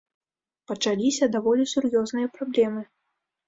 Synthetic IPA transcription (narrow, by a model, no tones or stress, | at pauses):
pɐt͡ʂalʲisʲɐd̪avɔlʲisʲurjɔznɨjɐpɾablʲɛmɨ